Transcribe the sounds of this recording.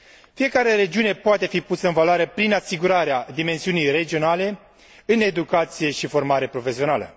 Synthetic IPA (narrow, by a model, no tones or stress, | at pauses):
fije̞kaɾe̞ɾe̞d͡ʒiune̞poat̪e̞fipusəɨnvaloaɾe̞pɾinasiɡuɾaɾead̪ime̞nsiunijre̞d͡ʒio̞nale̞ | ɨne̞d̪ukat̪sije̞ʃifo̞rmaɾe̞pɾo̞fe̞sio̞nalə̰